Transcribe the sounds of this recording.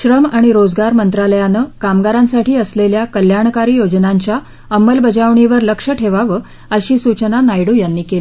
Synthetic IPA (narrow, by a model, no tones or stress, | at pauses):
ɕɾəmaɽ̃iɾod͡zɡaɾmənt̪ɾaləjanəkamɡaɾãnsaʈʰiːəsleljakəljaɳkaɾiːjod͡znaɲt͡ɕja | əməlbəd͡zaʋɳiʋəɾləkʂəʈʰeʋaʋə | əɕiːsut͡ɕənanajɽuːjanːiːkeli